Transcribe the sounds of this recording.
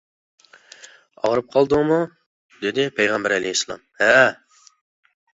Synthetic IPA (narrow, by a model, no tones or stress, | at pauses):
ɑ̰wɾɨp̚qʰɑlˠd̪ɨmu | d̪ed̪ɪpʰejʁɑmbæɾælejisːlˠɑ̰mhæ